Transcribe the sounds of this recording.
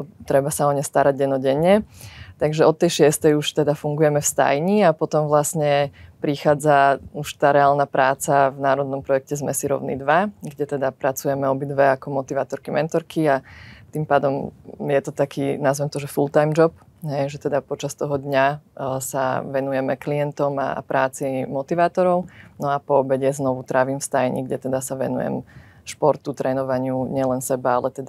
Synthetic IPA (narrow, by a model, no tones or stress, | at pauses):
t̪ɾɛbasaɔɲɛst̪aɾaɟɛnɔɟɛɲːɛt̪aɡʒɛɔt̪ːɛjʃɪɛst̪ɛjuʃt̪ɛd̪afuŋɡujɛmɛfst̪a̰jɲiapɔt̪ɔmʋlasɲɛpɾixaːd͡zauʃt̪aːɾɛaːlnapɾʔaːt͡savnaːɾɔd̪nɔmpɾɔjɛk̚cɛzmɛ̰siɾɔ̰ʊnḭd̪ʋaɡɟɛt̪ɛd̪apɾat͡sujɛmɛɔbid̪ʋɛakɔmɔt̪iʋaːt̪ɔɾkimʔɛnt̪ɔɾkʰiat̪impaːd̪ɔmjɛt̪ɔt̪akʰiːnazʋɛmt̪ɔʒɛfulˠt̪ajmd͡ʒɔp | ɦɛjʒɛt̪ɛd̪apɔt͡ʃast̪ɔɦɔd̪ɲasa̰ʋɛnujɛmɛklijɛnt̪ɔma̰pɾʔaːt͡simɔt̪iʋaːt̪ɔɾɔʊnɔapɔːbɛɟjɛznɔʋut̪ɾʔaʋiːmfst̪ajɲḭɡɟɛt̪ɛd̪asaʋɛ̰nṵjɛ̰m | ʃpɔɾt̪ut̪ɾʔɛnɔʋaɲɪuɲɪɛlɛnsɛbaalɛt̪ɛd̪a